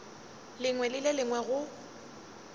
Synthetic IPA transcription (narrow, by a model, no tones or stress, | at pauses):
lɪŋwɛlɪlɪlɪŋwɛɣʊ